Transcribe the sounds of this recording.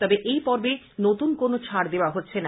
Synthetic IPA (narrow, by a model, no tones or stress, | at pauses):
t̪ɔbeʔejpɔɾbe | not̪unkonot͡ɕʰaɾd̪eoaɦotːɕʰena